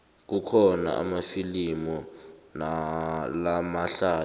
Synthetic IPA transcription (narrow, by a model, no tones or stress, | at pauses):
k̬ukʰɔna̰a̰mafilimɔnalamaɬaː